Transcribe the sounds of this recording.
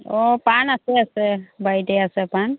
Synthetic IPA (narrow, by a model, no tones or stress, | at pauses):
ɔpanaseasebajʈeasepan